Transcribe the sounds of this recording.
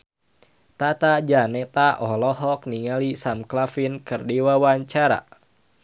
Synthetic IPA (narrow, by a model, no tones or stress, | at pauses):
t̪at̪ad͡ʒanɛt̪aʔɔlɔɦɔk̚niŋalisamklafinkɨrdiwawaɲt͡ʃaɾa̰